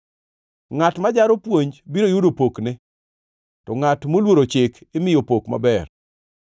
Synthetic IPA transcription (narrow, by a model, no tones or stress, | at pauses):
ŋatmad͡ʒaɾopwoɲbiɾojudopoknɪ | tɔŋatmolwoɾot͡ʃɪkɪmɪjopokma̰bɛr